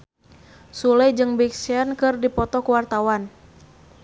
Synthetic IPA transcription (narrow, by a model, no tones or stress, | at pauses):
suləd͡ʒɨŋbiksɛnkɨrdipɔt̪ɔkuwart̪awan